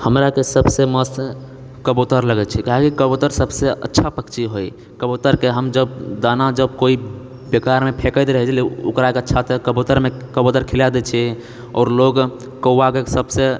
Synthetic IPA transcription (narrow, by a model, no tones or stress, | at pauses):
həmɾakesəbseməst̪ | kəbot̪əɾləɡɛt͡ʃʰɛkaɦekikəbot̪əɾsəbseə̰tːʃʰapəkt͡ʃiɦoj | kəbot̪əɾkeɦəmd͡ʒəbd̪anad͡ʒəbkoi | bekaɾmepʰekət̪ɾəɦɛt͡ʃlṵkɾakeətːt͡ʃʰat̪əkəbot̪əɾmekəbot̪əɾkʰilad̪ɛt͡ʃʰɛ | ɔ̰ːɾloɡ | kəakesəbse